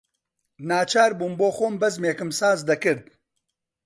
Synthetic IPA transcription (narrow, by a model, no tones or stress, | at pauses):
naːt͡ʃʰaːɾbuːmboːxoːmbɐzmeːkɨmsaːzd̪ɐkɨɾd̪̚